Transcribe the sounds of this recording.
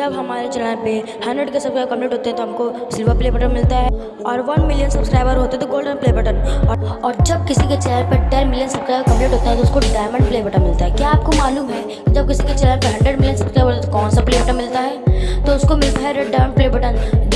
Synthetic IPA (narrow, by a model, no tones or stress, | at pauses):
d͡ʒɐbɦɐmaːɾet͡ʃɐlãːpe | hɐ̃ɳɖɾəɖkesɐbkɾaːbkɐ̃mpleːʈɦoːt̪eɦɛ̃t̪oɦɐmko | sɪlʋəɾpleːbəʈəɾmɪlt̪aɦɛ | ɔːɾʋɐnmɪljənsɐbskɾaːɪbəɾɦoːt̪eɦɛt̪oɡoːlɖə̃npleːbəʈənɔɔːɾd͡ʒɐb̚kɪsiket͡ʃɛːləɾpeɖɛːɾmɪlijənsɐbskɾaːjbɾkɐ̃mpleːʈɦoːt̪aɦɛ̃t̪oʊskoɖaːmə̃ɳɖpleːbəʈəɾmɪlt̪aɦɛkjaːp̚komaːluːmɦɛː | kid͡ʒɐb̚kɪsiket͡ʃɛːləɾpeɦɐ̃ɳɖɾəɖmɪlijənsɐb̥skɾaːjbəɾɦot̪at̪okɔːnsapleːbəʈəɾmɪlt̪aɦɛːt̪oʊskomɪlt̪aɦɛɾeɖːãɖpleːbəʈən